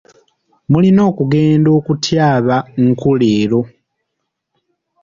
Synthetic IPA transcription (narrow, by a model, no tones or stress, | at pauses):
mulino̞ːkuɡe̞ːndo̞ːkutjaːβaŋ̩kʰuleːlo̞